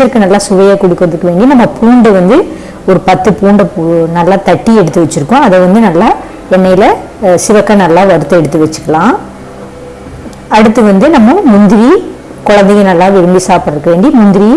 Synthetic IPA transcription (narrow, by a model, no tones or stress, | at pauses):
t͡ʃɐɾkːɯnɐlːaːsʊʋɐjaːkʊɽɪkːɯɾɐðɯkːɐʋeːɳɖinɐmːɐpʰuːɳɖɐʋɐnd̪ɯ | ɔɾɯpɐt̪ːɯpuːɳɖɐnɐlːaːt̪ɐʈːiɛɽɯt̪ːɯʋɛt͡ʃːɪɾɯkːʊ̃ɐðɐʋɐnd̪ɯnɐlːaː | ɛnːɐjɪlɐ | sɪʋɐkːɐnɐlːaːʋɐɾɯt̪ːɯɛɽɯt̪ːɯʋɛt͡ʃːɯ̥kːɐlãː | ɐɽɯt̪ːɯʋɐnd̪ɯnɐmːɐmʊnd̪ɪɾi | kɔɻɐnd̪ɐjɐnɐlːãːʋɪɾɯmbisaːpɯɽɐɾɯkːɐʋeːɳɖimʊnd̪ɪɾi